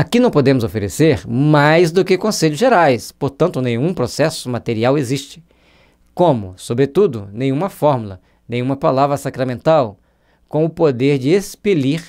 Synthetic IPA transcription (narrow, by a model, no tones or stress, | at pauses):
akinɐ̃w̃pod̪ẽmʊzofeɾḛseɾmajzd̪ʊkɪkõseʎʊzʒeɾajspoɾt̪ɐ̃nt̪ʊnẽj̃ũpɾosɛsʊmat̪eɾiaweziʃt͡ʃɪ̥ | kõmʊsobɾet̪ud̪ʊ̰nẽj̃ũmɐfɔɾmulɐ̰ | nẽj̃ũmɐpalavɾɐsakɾamẽnt̪aw | kõw̃ʊpod̪eɾd͡ʒɪespeliɾ